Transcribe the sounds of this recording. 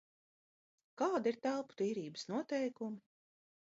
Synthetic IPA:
kaːd̪iɾt̪ælˠpu̥t̪iːɾiːbəsnuɔt̪ɛjkumi

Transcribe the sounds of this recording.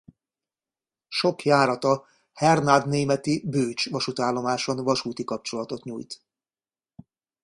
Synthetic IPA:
ʃo̞kjaːɾɒt̪ɒ | hɛrnad̪neːmɛt̪ibøːt͡ʃʋɒʃut̪aːlːo̞maːʃonvɒʃuːt̪ikɒp̚t͡ʃo̞lɒt̪o̞t̪ɲṵːjt̪

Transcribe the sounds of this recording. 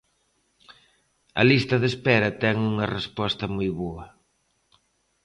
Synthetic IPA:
ɐ̰list̪ɐðespɛɾɐt̪ɛŋuŋɐrespɔst̪ɐmujβoɐ

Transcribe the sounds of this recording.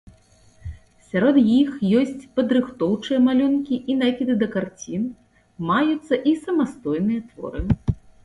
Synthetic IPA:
sʲaɾɔd̪jixjɔsʲt͡sʲpɐd̪ɾɨxt̪ɔwt͡ʂɨjɐmalʲunkʲiʔinakʲid̪ɨd̪ɐkart͡sʲin | majut̪sːɐʔisɐmast̪ɔjnɨjɐt̪vɔ̰ɾɨ

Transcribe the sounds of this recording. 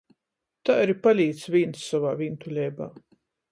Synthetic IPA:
t̪aaɾipalʲiːt̪svʲinssavaːvʲint̪ulʲɛjba̰ː

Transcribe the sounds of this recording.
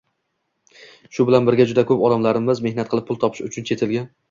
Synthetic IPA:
ʃʊbɪlanbɪɾɡʲad͡ʒʊd̪akʰɵpɒd̪amlaɾɪmɪzme̞hnat̪̚qʰɨlˠɪpʰːʊlˠt̪ʰɒpʰɪ̥ʃʊt͡ʃʰʊnt͡ʃʰe̞t̪ʰɪlɡʲan

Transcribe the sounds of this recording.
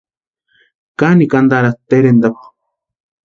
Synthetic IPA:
kanikand̪aɾat̪eɾend̪apḁ

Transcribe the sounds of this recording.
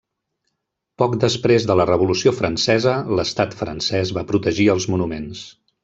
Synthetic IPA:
pɔkd̪əspɾezðələrəβulusiofɾənsɛzələst̪at̪fɾə̰nsɛzβapɾut̪əʒiəlˠzmunumens

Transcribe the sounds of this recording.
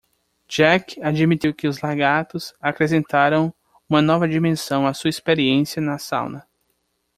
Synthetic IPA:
d͡ʒɛkad͡ʒimit̪iwkɪʊzlaɡat̪ʊzakɾes̬ẽnt̪aɾɐ̃w̃ | ũmɐnɔvɐd͡ʒimẽsɐ̃w̃asuɐispeɾiẽsjɐnɐsa̰wnɐ

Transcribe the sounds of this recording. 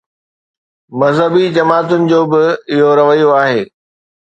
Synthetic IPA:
mɐzɦəbid͡ʑɐmaːt̪ʊnɪ̆d͡ʑoːbɪɪɦoɾɐʋəjoaːɦeː

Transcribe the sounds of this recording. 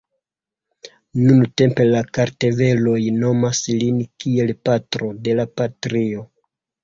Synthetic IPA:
nunute̞mpe̞lakaɾte̞ve̞lo̞jno̞maslinkie̞lpatɾo̞de̞lapatɾio̞

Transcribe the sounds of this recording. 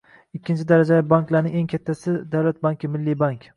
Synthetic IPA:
ɪkʲʰːɪnt͡ʃʰɪd̪aɾad͡ʒabaŋklaɾnɪŋe̞ŋkʲʰat̪ʰːasɪd̪awlat̪̚baŋkʲʰɪmɪlːibaŋkʲ

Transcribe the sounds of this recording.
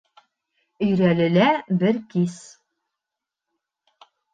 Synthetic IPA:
ɵ̆jɾælɘ̆læbɘɾkis

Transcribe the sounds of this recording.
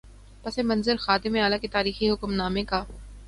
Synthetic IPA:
pɐsemɐ̃nzəɾxaːt̪ɪmeaːlaket̪aːɾiːxiɦʊkmnaːmẽkaː

